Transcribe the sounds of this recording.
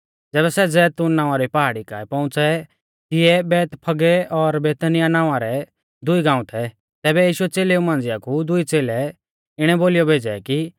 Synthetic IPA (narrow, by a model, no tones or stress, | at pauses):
d͡zɛːβɛsɛd͡zɛːt̪uːnːãːãɾipaɦaːɽika̰ːipɐ̃ʊ̃t͡sɛ | t̪ɪɛbɛːt̪pʰɐɡɛɔɾbeːt̪ənɪjanãːaɾɛ | d̪ʊiɡãːũt̪ʰɛ | t̪ɛːbɛjiːʃʊɛt͡seːleũmãːnd͡zɪjakʰud̪ʊit͡seːlɛ | ɪɽ̃ɛboːlijɔbʱeːd͡zɛ̰ki